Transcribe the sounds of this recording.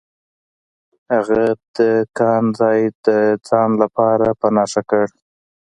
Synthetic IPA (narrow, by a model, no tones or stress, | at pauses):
haɣab̚d̪̥əkɑnzɑjd̪əd͡zɑnlapɑɾapənɑʂakəɽ